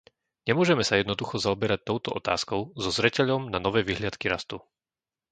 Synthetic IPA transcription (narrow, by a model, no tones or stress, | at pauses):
ɲɛmʊɔʒɛmɛsajɛd̪nɔd̪uxɔzaɔbɛɾac̚t̪ɔʊt̪ɔʔɔt̪a̰ːskɔʊzɔzɾɛcɛʎɔmnanɔʋɛːʋiɦlɪat̪kiɾast̪u